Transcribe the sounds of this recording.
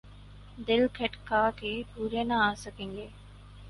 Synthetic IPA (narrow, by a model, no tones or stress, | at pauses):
d̪elkʰeʈkaːkipuɾenaaːsɐkiŋɡe